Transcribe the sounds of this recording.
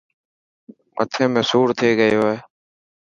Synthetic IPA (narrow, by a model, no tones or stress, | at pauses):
mə̰t̪ʰẽːmẽːsuːɾt̪ʰeːɡəjoːɦeː